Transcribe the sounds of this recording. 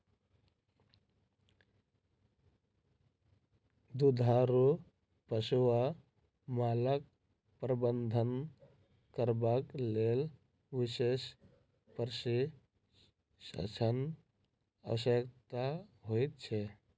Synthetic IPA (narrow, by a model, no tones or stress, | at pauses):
d̪ud̪ʱaɾu | pəsuwa | malək̚ | pɾəbənd̪ʱən | kəɾbaklel | ʋises | pəɾsi | sə̰t͡ʃʰən | ə̰səkt̪aɦojt̪̚t͡ʃʰe